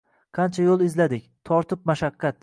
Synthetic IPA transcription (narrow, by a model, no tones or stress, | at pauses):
qʰɑnt͡ʃʰajolˠɪzlad̪ɪkʲt̪ʰɒɾt̪ʰɪp̚maʃaqʰːɑt̪̚